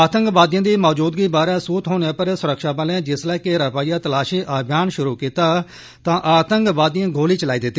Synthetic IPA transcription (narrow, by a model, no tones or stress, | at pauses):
aːt̪əŋkʋaːd̪ɪjãːd̪iːmɔːd͡ʒuːd̪ɡiːbaːɾɛːsuːt̪ɦoːnãːpəɾsʊɾəkʃaːpaːlãːd͡ʒɪslɛːkɪɾəpaːijaːt̪əlaːʃiːʔaːbʱjaːnʃʊɾuːkiːt̪aː | t̪ãːʔaːt̪əŋkʋaːd̪ijãːɡʱoːliːt͡ʃəlaːiːd̪ɪt̪ːiː